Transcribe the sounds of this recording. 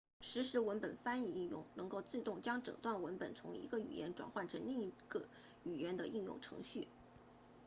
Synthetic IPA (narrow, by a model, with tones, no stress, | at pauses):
ʂɻ̩˧˥ʂɻ̩˧˥wə˧˥npə˨˩nfa˥ni˥˧i˥˧jʊ̰˥˩ŋnɤ˧˥ŋko˥˧ʊt͡s̩˥˧t̪ʊ˥˩ŋt͡ɕjɑ˥ŋʈ͡ʂɤ̰˨˩ŋt̪wa˥˩nwə˧˥npə̰˨˩nt͡sʰʊ˧˥ŋḭ˧˥ɡə˧y̰˨˩jɛ̰˧˥nʈ͡ʂwa̰˨˩nxwa˥˩nʈ͡ʂʰə˧˥nli˥˩ŋi˧˥ɡ̥ə˧˩ | y˨˩jɛ˧˥nd̪ə˧ʔi˥˧jʊ̰˥˩ŋʈ͡ʂʰɤ̰˧˥ŋɕy˥˩